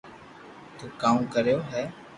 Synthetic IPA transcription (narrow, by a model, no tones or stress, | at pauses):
t̪uːkaːukəɾjoːɦɛː